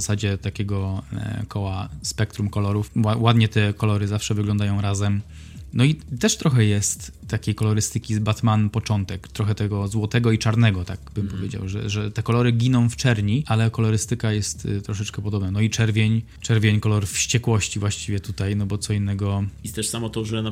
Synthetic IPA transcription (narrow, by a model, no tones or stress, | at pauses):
asad͡ʑɛt̪akʲɛɡɔkʰɔwaspɛk̚t̪ɾumkɔlɔɾufawad̪ɲɛt̪ɛkɔlɔɾɘzafʂɛvɘɡlɔ̃nd̪ajɔ̃w̃ɾazɛm | nɔit̪ɛʂt̪ɾɔxɛjɛst̪ːakʲejkɔlɔɾɘst̪ɘkʲibat̪manpɔt͡ʂɔnt̪ɛkt̪ɾɔxɛt̪ɛɡɔzwɔt̪ɛɡɔit͡ʂaɾnɛɡɔt̪aɡ̚bɘmpɔvjed͡ʑa̰wʐɛ̰ʐɛt̪ɛkɔlɔɾɘɡʲinɔ̃w̃ft͡ʂɛɾɲiʔalɛkɔlɔɾɘst̪ɘkajɛst̪t̪ːɾɔʂ̬ɛt͡ʂkɛpɔd̪ɔbnanɔit͡ʂɛɾvʲjeɲ | t͡ʂɛɾvʲjeɲkɔlɔɾfɕt͡ɕɛkwɔɕt͡ɕivwaɕt͡ɕivʲjɛt̪ut̪ajnɔbɔt̪sɔinːɛɡɔist̪ɛʂsamɔt̪ɔʐɛna